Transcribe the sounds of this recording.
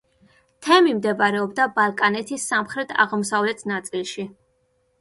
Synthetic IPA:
t̪ʰɛmimd̪ɛbaɾɛɔbd̪abalˠkʼanɛt̪ʰisːamχɾɛt̪ʰa̰ʁmɔsavlɛt̪ʰnat̪sʼilˠʃi

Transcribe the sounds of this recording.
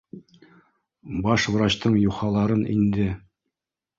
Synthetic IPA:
bɑʃvɾɑt̪ɤɴjuχɑlˠɑɾɤnḭnd̪ɘ

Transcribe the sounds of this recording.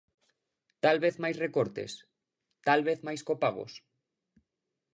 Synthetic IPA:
t̪alβeθmajsrekoɾt̪ḛs | t̪alβeθmajskopaɣ̞o̰s

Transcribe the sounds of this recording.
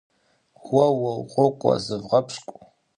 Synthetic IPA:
wɐwɐwqʷʼokʷʼa̰zɨvʁɐpʰʂkʷʼ

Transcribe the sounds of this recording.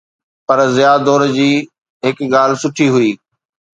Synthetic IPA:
pɐɾzɪjaːd̪ɔːɾd͡ʑiː | ɦɪkɠaːl̤sʊʈʰiɦʊiː

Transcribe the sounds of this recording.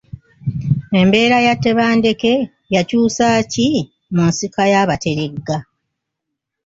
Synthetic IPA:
e̞mbe̞ːɾajatːe̞βaːnde̞ke̞ | jacuːsaːci | munsikajaːβate̞ɾe̞ɡːa

